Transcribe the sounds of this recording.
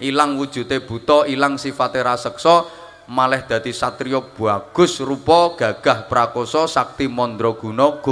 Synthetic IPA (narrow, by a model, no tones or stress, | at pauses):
ʔilaŋwud̥ʒ̥ṳt̪eb̥ṳt̪ɔilaŋsifat̪eɾasəksɔ | malɛhd̪̥ä̤d̪̥i̤sat̪ɾiɔb̥ṳaɡ̥ʊ̤srupɔɡ̥ä̤ɡ̥a̤hpɾakosɔsak̚t̪imɔnd̪ɾɔɡ̥ṳnɔɡ̥o